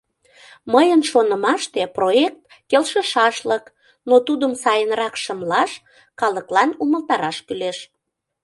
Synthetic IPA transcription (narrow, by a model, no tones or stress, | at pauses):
məjənʃonəmɑʃt̪eproek̚t̪ | kelʃəʃɑʃlək | not̪ud̪əmsɑjənrɑkʃəmlɑʃ | kɑləklɑnuməlt̪ɑɾɑʃkyleʃ